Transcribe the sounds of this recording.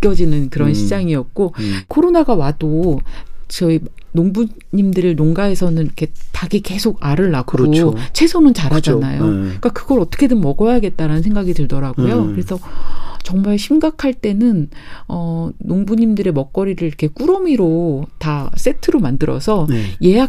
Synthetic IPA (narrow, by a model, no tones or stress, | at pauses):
k͈jʌd͡ʑinɯnkɯɾʌnɕʰid͡ʑaŋiʌt̚k͈okʰoɾonaɡawado | t͡ɕʌinoŋbu | ɲimdɯɾinoŋɡae̞sʰʌnɯnikʰe̞t͡ɕaɡike̞sʰoɡaɾɯɭːakk͈ot͡ɕʰe̞sʰonɯnt͡ɕaɾɦad͡ʑanajok͈akɯɡʌɾʌt͈ʰʌ̥kʰe̞dɯmmːʌɡʌjaɡe̞t̚t͈aɾanɯnsʰeŋɡaɡidɯɭdʌɾaɡojokɯɾe̞sʰʌt͡ɕʌŋmaɭɕʰimɡakʰaɭt͈e̞nɯnʌnoŋbuɲimdɯɾe̞mʌk̚k͈ʌɾiɾɯɾiɾkʰek͈uɾʌmiɾotas͈e̞tʰɯɾomandɯɾʌ̰sʰʌje̞ja